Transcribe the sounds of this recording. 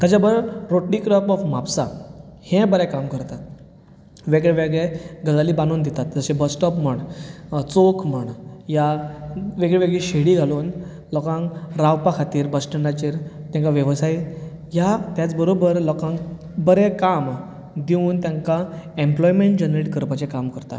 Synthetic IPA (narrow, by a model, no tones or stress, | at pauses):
kəd͡ʑabəɾɾoʈɽikɾəpɔfmapsahẽbəɾɛkamkəɾt̪at̪̚ | ʋeɡɭeʋeɡɭeɡəɡaliːbanuːnd̪it̪at̪d͡zəɕebəsʈɔpm̤əɳt͡sokʰm̤əɳja | ʋeɡɭeʋeɡɭɛɕeɽiːɡʱaluːn | lɔkãŋkɾawpakʰat̪iːɾbəsʈəɳɖat͡ɕiːɾt̪jãŋkaʋjəʋsai | jat̪jat͡sbəɾobəɾlɔkãŋ | bəɾɛkam | d̪iũːnt̪jãŋkaemplɔjmeɳʈd͡ʑənɾeʈkəɾpat͡ɕẽkamkəɾt̪a̰